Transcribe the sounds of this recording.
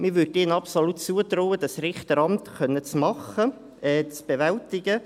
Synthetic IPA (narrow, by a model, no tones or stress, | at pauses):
mɪɾʋʏdiːnɑpsolutt͡suət̪roːwəd̥̪ɑsrɪχt̪əɾɑmt̪χœnːət͡smɑχə | ɛt͡sb̥eʋɛlt̪ɪɡə